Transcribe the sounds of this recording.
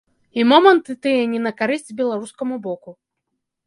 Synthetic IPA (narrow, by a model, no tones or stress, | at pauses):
imɔmɐnt̪ɨt̪ɨjɛnʲɛnɐkaɾɨsʲt͡sʲbʲɛlˠaɾuskɐmubɔku